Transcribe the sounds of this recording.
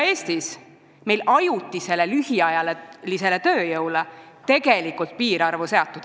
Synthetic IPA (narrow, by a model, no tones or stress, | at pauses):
e̞ːst̪is | me̞jlɑjut̪ːˑise̞lːe̞lyhiɑjɑlelise̞le̞t̪ø̞ːjɤwle | t̪e̞ɡ̥e̞likult̪̚piːɾɑrvuse̞ɑt̪ːˑud̥̪